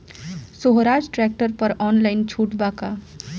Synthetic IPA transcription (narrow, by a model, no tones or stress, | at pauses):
soɦɾaːd͡ʒʈɾɛk̚ʈəɾpəɾɔːnlaɪnt͡ʃʰuːʈbaka